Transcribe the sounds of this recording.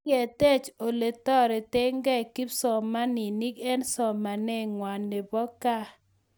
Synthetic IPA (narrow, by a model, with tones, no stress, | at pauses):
ɛ˨tɛ˦t͡ʃo˨le˨tɔ˦ɾe˨te˦ŋɡɛ˦˨ki˦psɔ˨ma˦ni˨ni˦kɛ˦nsɔ˨ma˨nɛ˦ŋwa˨nde˨bɔ˦ka˦